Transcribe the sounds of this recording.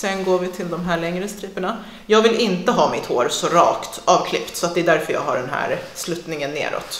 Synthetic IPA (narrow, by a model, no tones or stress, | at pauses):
sɛnɡoːɾvɪt̪ʰɪld̪ɔmɦæːɭɛŋɾəst̪ɾiːpəɳa | jɑːɡvɪlɪnt̪əɦɑːmɪt̪hoːɾsɔɾɑ̰ːkt̪ɑːvkʰlɪpt̪sɔat̪̚d̪ɛd̪æɾfœɾjɑ̰ːɡɦaɖɛnɦæ̰ːɾslʉːt̪nɪŋənːḛːɾʔɔ̰t̪